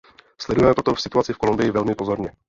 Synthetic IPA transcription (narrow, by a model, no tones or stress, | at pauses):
slɛdujɛmɛpɾot̪ofsɪt̪uat͡sɪfkolumbɪjɪvɛlmɪpo̞zo̞ɾɲɛ